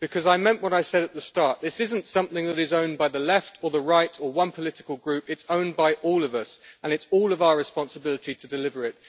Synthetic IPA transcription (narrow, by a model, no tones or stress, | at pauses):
b̥ɨkʰʌzaɪmɛ̃nʔwʌɾaɪsɛɾɨt̪̚ðəstɑɹʔ̚ðɪsɪzn̩tsʌ̃mθɪ̃ŋðɨɾɨzõʊ̃nbaɪðəlɛftʰə˞ðəɹaɪtʰə˞wʌ̃npʰəlɪɾɨkəl̩ˠɡɹʉpɨtsõʊ̃nbaɪʔɔːlˠʌvʌsə̃nɨtsɔlˠʌvaʊə˞ɹɨspɑ̃nsəbɪlˠəɾʰitʰɨdɨlɪvə˞ɪt̚